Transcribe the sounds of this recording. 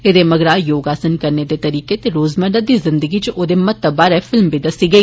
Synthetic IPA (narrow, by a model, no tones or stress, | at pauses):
ed̪eməɡɾaːjoːɡaːsənkəɾned̪eːt̪əɾiːket̪eɾoːzməɖ̪əd̪izɪ̃nd̪əɡit͡ʃʔoːd̪eːmɐtt̪ːəbaːɾɛfʰɪlmbid̪əsiɡəiː